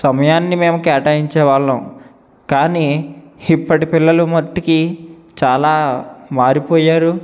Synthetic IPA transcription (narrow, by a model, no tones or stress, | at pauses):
sɐmɐjaːnːimeːmukɛːʈaːjiɲt͡ʃɛːʋaːɭːɐw | kaːniːipːɐʈipilːɐlumɐʈ̪ːikit͡ʃaːlaːmaːɾipoːjaːɾu